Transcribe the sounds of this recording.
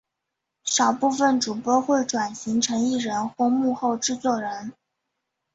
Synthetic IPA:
ʂɑ˨˩ʊpu˥˧fə˥˩nʈ͡ʂu˨˩pwɔ˥xwe˥˩ɪʈ͡ʂwa˨˩nɕi˧˥ŋʈ͡ʂʰɤ˧˥ŋi˥˩ɻə˧˥nxwɔ˥˧mu˥˧xo˥˩ʊʈ͡ʂɻ̩˥˧t͡swɔ˥˩ɻə˧˥n

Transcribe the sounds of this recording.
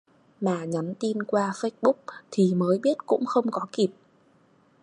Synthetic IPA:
maː˨˩ɲɔ˨˦nt̪i˧nkwaː˧fə˦˥jt̚ɓʊ˦˥k͡p̚t̪ʰi˨˩məː˨˦jɓi˦˥ət̚kʊ̰˧˥ŋ͡mxə˧wŋ͡mkɔ˨˦ki˨˩p̚

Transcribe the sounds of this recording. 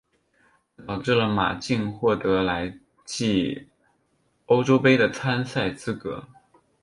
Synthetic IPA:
ʊʈ͡ʂɻ̩˥˩lə˩ma̰˨˩t͡ɕi˥˧ŋxwɔ˥˩t̪ɤ˧˥la˧˥ɪ | t͡ɕi˥˩ | o˥ʊʈ͡ʂo˥ʊpe˥ɪd̪ə˨t͡sʰa˥nsa˥˩ɪt͡sɹ̩˥kɤ̰˧˥

